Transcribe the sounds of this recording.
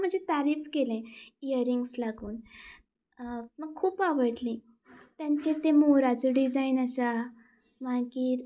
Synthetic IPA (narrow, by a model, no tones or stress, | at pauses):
m̤əɳd͡ʑet̪aɾiːfkelẽijəɾiŋɡslaɡuːn | məɡ̚kʰːuːpaʋəɽlĩ | t̪jaɲt͡ɕiɾt̪ẽmoɾat͡səɖid͡zainasa | maɡiːɾ